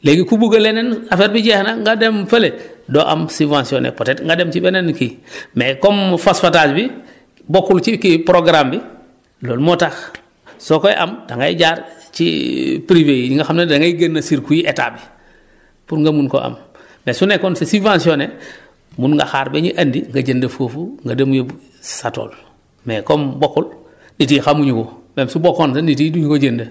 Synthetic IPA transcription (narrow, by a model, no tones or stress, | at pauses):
leɡikubuɡalenenafeɾbiɟɛhnaŋɡademfeledoːʔa̰msivãnsionḛpotetŋɡademt͡ʃibenenkimekomfasfataːsbi | bokːult͡ʃikipɾoɡɾambi | loːlmotax | sokoj̰ʔa̰mdaŋɡa̰jḭɟaɾt͡ʃḭpɾiveiŋɡaxamnedaŋɡajiɡenːasiɾkujiʔeta̰bi | puɾŋɡamunko̰ʔa̰mː | esunekoːnsesivãnsione | munŋɡa̰xaːɾbeɲiʔandiŋɡaɟendafoːfuŋɡademuje | sato̰ːl | mekombokːul | ditixamuɲukomemsubokonsendit̬iduɲukoɟenda